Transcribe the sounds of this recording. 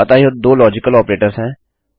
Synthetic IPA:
ət̪aːijod̪oːlɔːd͡ʒɪkəlɔːpɾeːʈəɾsɦɛ̃ː

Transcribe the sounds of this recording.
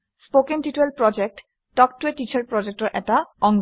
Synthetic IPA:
spokentituelpɹɔd͡ʒek̚tː | ɔk̚tuetit͡ɕʰaɹpɹɔd͡ʑek̚tɔɹʔɛtaɔŋ

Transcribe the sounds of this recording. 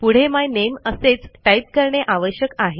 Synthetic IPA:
puɽ̤emajneməset͡sʈaip̚kəɾɳeʔaʋəɕjəkaɦe

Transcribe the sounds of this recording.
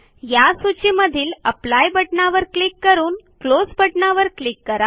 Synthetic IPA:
jasut͡ɕiməd̪ʱiːləplajbəʈɳaʋəɾklikːəɾuːnklod͡zbəʈɳaʋəɾklikːəɾa

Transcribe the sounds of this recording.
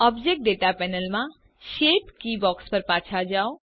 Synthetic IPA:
ɔbd͡ʒek̚ʈ̚ɖeʈapɛnəlmã | ʃeʈkibɔkspəɾpat͡ʃʰad͡ʒao

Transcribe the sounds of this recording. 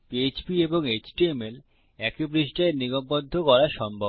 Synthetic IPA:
piet͡ɕpieboŋet͡ɕʈiemel | ɛkibɾiʃʈaeniɡombod̪ʱːokɔɾaʃɔmbʱo

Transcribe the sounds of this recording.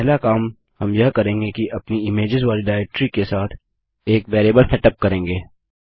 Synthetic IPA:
pɛɦlakaːm | hɐmjɐɦkɐɾẽːŋɡekiʔɐpniɪmeːd͡ʒɪzʋaːliɖaːɛk̚ʈɾikesaːt̪ʰ | eːkbeːɾeːbəlsɛʈəp̚kɐɾẽːŋɡeː

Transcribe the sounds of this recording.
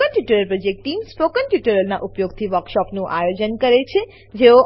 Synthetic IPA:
ənʈjuʈəɾəlpɾɔd͡ʒek̚ʈʈːimspokənʈjuʈəɾəlnaʔupjoɡt̪ʰiʋəɾkʃɔpnũʔajod͡ʒənkəɾet͡ʃʰe | d͡ʒeo

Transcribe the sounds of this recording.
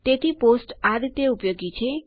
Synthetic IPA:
t̪et̪ʰiposʈad̪t̪eupjoɡit͡ʃʰe

